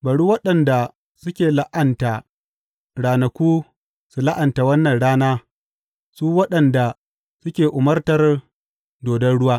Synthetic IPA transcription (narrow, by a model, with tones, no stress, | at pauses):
bɐ˨ɽuː˦wɐ˦ɗɐ˨nda˨ | sʊ˦kʲeː˨la˦ʔɐ˨nta˨ | ɽaː˨nɐ˨kʷuː˦ | su˨la˦ʔɐ˨nta˨wɐ˦nːɐ˨nɽaː˦naː˦ | suː˦wɐ˦ɗɐ˨nda˨ | sʊ˦kʲeː˨ʔʊ˨mɐ˦rtɐ˨r | doː˨dɐ˦nɽʊ˦waː˦